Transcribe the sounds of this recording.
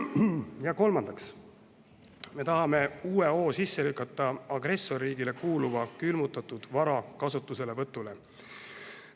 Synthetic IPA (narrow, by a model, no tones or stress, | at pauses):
jɑko̞lmɑnd̪̥ɑks | me̞t̪ɑɦɑme̞uːeo̞ːsisːe̞lykːˑɑt̪ːˑɑɑɡre̞sːo̞rːiːɡile̞kuːluvɑkylmut̪ːˑɑt̪ˑud̪̥vɑɾɑkɑsut̪ːˑuse̞le̞vɤt̪ːˑule̞